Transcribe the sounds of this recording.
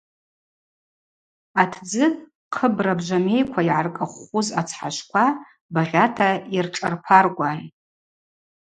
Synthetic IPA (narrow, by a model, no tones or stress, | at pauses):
atʰd͡zɨ | qʰəbrabʒʷame̞jkʷʰaiʕarkʼaχʷʊzat͡sʰħaʃʷkʷʰa | baʁʲatʰairʈ͡ʂʼarpʰarɡʷʼaj